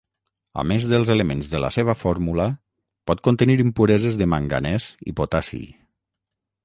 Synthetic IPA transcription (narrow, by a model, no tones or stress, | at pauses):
a̰mezðəlˠzelemenzðələ̰seβ̞əfɔɾmulə | pɔt̪̚kont̪əniɾimpuɾɛzezðəmaŋɡa̰nɛzḭpot̪asḭ